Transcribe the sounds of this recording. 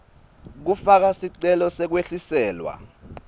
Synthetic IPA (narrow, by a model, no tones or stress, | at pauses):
k̬ufak̬asiǀɛlɔsɛk̬weɬisɛːlwa̰